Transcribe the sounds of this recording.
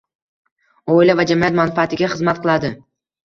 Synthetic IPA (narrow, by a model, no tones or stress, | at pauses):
oɪlavad͡ʒamijat̪manfaat̪ʰɪɡʲaχɨzmat̪̚qʰɨlˠad̪ɪ